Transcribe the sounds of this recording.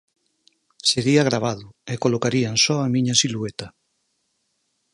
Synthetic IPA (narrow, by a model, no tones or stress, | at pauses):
seɾiaɣ̞ɾaβ̞aðʊekolokaɾiansɔamĩɲɐsiluet̪ɐ